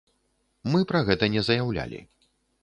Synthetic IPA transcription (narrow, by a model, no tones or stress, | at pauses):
mɨpɾaɣɛt̪ɐnʲɛzɐjawlʲa̰lʲḭ